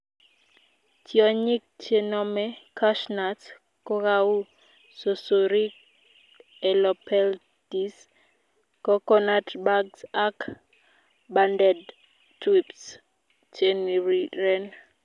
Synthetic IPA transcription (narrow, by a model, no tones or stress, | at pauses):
tjɔɲɪk̚t͡ʃenɔmɛkaʃnat | kɔkawu | sosoɾik | ɛlɔpʰɛl | tis | kɔkɔnatbaɡsak | bandɛd | twips | t͡ʃeniɾiɾɛn